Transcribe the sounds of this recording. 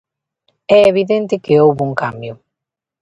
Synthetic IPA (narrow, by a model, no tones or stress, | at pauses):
ɛeβ̞iðent̪ɪkeowβuŋkambjʊ